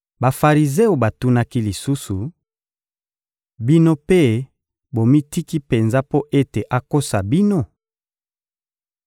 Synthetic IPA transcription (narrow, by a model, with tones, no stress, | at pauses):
ba˨fa˨ʁi˨ze˦o˨ba˨tu˦na˦ki˦li˨su˦su˨ | bi˦no˦pe˦ | bo˨mi˦ti˦ki˦pe˨nza˦po˦ʔe˦te˨ʔa˨ko˦sa˨bi˦no˦